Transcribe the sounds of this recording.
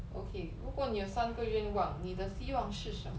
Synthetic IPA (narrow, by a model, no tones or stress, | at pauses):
ʔo̰kʰeɻukwɔnijoʊsanɡəɥɛnwɑŋnid̪əɕiwɑŋʂɻ̩ʂəmə